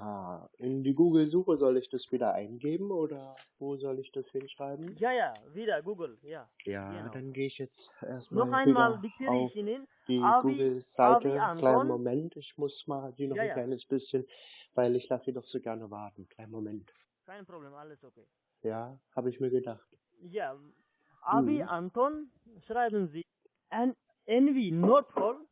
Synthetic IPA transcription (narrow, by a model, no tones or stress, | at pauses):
haːʔɪndiːɡuːɡl̩zuːχəzɔlɪçd̥asv̥iːdɐʔa̰ɪnɡeːbm̩oːdɐvoːzɔlɪçd̥ashɪnʃʁ̥aɪbm̩jajaviːdɐɡuːɡl̩jajaːd̥anɡeːɪçjɛt͡st | ʔḛːɐst̚mɔlaɪviːmalvikːaʊfinɪn | d̥iːɡuːɡl̩z̥aɪtəkl̥aɪnmomɛntɪçmʊsmaːlziːnɔχnklaɪnəsb̥ɪsçənvaɪlɪçlasz̥iːdɔχz̥oːɡɛɐnəvaɐtn̩kʰl̥aɪnmomɛnt | kʰaɪnpɾobleːmaləsokeː | jaːhaːbəɪçmiːɐɡədaχt | ja | ʔaiʔantɔn | ʃʁaɪbənziː | ɛnvinɔtfɔ